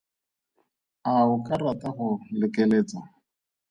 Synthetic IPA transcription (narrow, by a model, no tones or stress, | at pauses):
aʊkʼarataχʊlɪkeleːt͡sa